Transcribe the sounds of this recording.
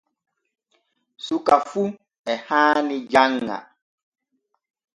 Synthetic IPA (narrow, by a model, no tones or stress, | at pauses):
sukafu | ɛhanid͡ʒaŋːa̰